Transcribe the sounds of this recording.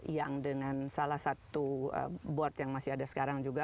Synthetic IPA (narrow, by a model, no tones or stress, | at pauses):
jaŋdəŋansalahsat̪uə̰bɔrt̪jaŋmasiadasə̥kaɾaŋd͡ʒuɡa